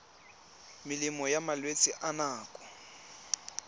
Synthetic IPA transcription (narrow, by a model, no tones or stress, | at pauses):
mɪlimɔjamalwet͡sʼɪʔanaːkʼɔ̥